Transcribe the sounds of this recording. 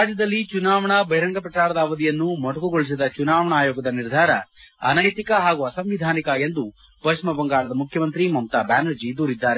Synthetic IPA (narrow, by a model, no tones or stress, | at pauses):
ɾaːd͡ʒjɐd̪ɐlːit͡ʃunaːʋɐɳɐbɐjiɾɐŋɡɐpɐʈaːɾɐd̪ɐːʋɐd̪ijɐnːumɐʈɐkuɡoɭis̬id̪ɐt͡ʃunaːʋɐɳaːjoːɡɐd̪ɐniɾd̪ʱaːɾɐ̰ɐ̰nɐjt̪ikɐɦaːɡuɐsɐmʋid̪ʱaːnikɐe̞nd̪u | pɐʂmɐbɐŋɡaːɭɐd̪ɐmukʰjɐmɐnt̪ɾimɐmt̪aːbaːnɐɾd͡ʒid̪uːɾid̪ːaːɾe